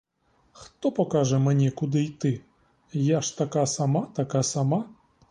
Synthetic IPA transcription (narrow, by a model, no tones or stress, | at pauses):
xt̪ɔpɔkaʐɛmɛnʲɛkud̪ɨit̪ɨ | jaʂt̪akasamat̪akasama